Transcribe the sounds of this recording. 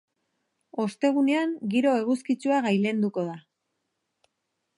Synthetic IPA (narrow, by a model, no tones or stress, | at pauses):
o̞st̪e̞ɣ̞une̞aŋɡiɾo̞e̞ɣ̞uskit͡suaɣajle̞nd̪uko̞ða